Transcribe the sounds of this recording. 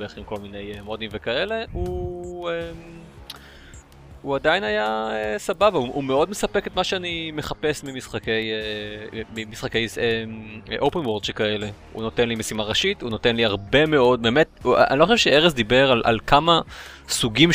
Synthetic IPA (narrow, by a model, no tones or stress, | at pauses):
beeχimko̞lmine̞jemo̞dimvekae̞le̞uem | uadainajaesababauume̞o̞dmesapeketmaʃeanime̞χape̞smimisχakejemimisχake̞jseʔowpenwoʁd̪ʃekae̞le̞ | ṵno̞tenlimesimaʁaʃituno̞tenliaʁbe̞me̞o̞d̚be̞met̚a̰ʔa̰niloχoʃvʃeeʁesd̪ibeʁalʔa̰lkʰamasuɡim